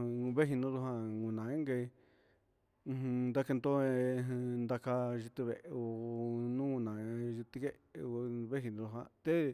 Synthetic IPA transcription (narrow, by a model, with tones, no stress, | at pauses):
βe˦ɦi˧nũ˧ðu˧ɦã˧ŋũ˨nã˨˧e˦ŋɡe˧i˧ | nd̪a˦ke˧nd̪o˦ẽ˧nd̪a˧ka˧ʒi˧t̪i˧βe˨ʔo˧nũ˦ŋũ˧nã˨ʒi˧t̪i˧ke˦˧ | βe˦ɦi˧nũ˧u˧ɦã̰˧t̪e˦